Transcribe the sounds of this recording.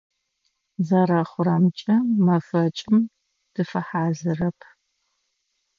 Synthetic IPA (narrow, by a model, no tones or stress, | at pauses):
zɐɾɐχʷʊɾɐmt͡ʃʼɐmɐfɐt͡ʃʼɪm | d̥ɨfɐħaːzɨrɐpʰ